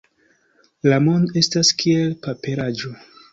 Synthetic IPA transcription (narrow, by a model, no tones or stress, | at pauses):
lamo̞ndoe̞staskʰielpape̞ɾad͡ʒo